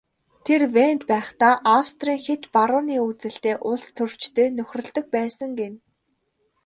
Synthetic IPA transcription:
t̪ʰerwent̪pæːχt̪aːʔawst̪riːŋxet̪paɾʊːniːut͡sɘ̆ɬt̪eːʔʊɮst̪ʰɵr̥t͡ɕt̪eːnɵxʲrɵ̆ɮt̪ɵ̆k̚pæːsə̆ŋɡen

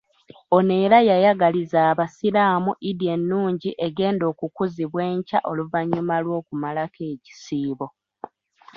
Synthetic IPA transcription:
o̞ne̞ːɾajajaɡalizaːβasilaːmuʔidie̞nːuːɲɟiʔe̞ɡe̞ːndo̞ːkukuziβwe̞ːɲca̰ʔo̞luvaɲːumalwo̞ːkumalakeːci̥siːβo̞

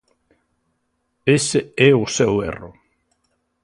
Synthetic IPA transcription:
eseɛʊsewḛro

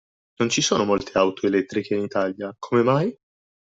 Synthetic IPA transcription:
nont͡ʃisoːnomolt̪ʰeawt̪ʰoelɛt̪ːɾikeinit̪aːljakʰomemaj

